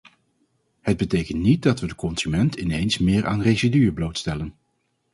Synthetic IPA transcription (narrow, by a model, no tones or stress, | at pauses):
həd̚bətejkəntnit̚dɑtʋədəkɔnz̥ymɛntʰɪnejnsmɪːɹʔa̰ːnrezidyːəblowtstɛlən